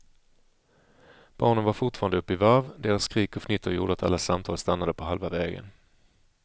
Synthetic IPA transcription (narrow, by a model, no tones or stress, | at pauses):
b̥ɑːɳənvaɾfʊʈfɑːɾand̪əɵpːɪvaɾvd̪eːɾasːkɾiːkɔfnɪt̪ʰːəɾjṵːɖəat̪ʰa̰lːasamt̪ʰɑːlst̪anːad̪əpʰɔɦalvavɛːɡə̰n